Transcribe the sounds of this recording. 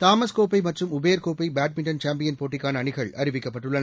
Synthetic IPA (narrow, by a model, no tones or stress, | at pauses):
t̪aːmɐskoːpːɐɪmɐʈrɯmʊbeːɾkoːpːɐɪbaːʈ̚mɪɳʈɐnt͡ʃaːmpɪjɐnpoːʈːɪkːaːnɐːɳɪɣɐɭɐɾɪʋɪkːɐpːɐʈːɯɭːɐ